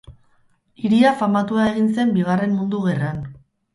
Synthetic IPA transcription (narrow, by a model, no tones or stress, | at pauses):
iɾiafamat̪uae̞ɣ̞inse̞mbiɣ̞are̞mmund̪uɣe̞ran